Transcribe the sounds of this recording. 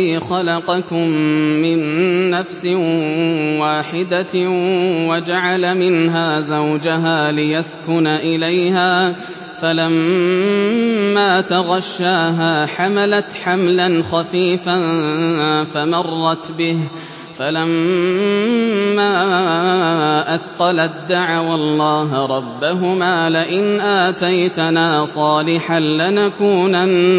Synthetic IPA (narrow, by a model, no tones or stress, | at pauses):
xɑlɑqɑkʊmːɪnːafsɪ | waːħɪd̪a | wad͡ʒaʕalamɪnɦaːzawd͡ʒaɦaːlɪjaskʊnaʔɪlajhaː | falam | aːt̪aɣɑʃːaːɦaːħamalat̪ħamlanxafiːfan | famɑrˤːɑt̪bɪh | falam | aː | ʔaθqɑlad̪ːaʕawɑlˤːɑːɦɾˤɑbːaɦʊmaːlɪʔɪnʔaːt̪ajt̪anaːsˤɑːlɪħanlɪnakuːna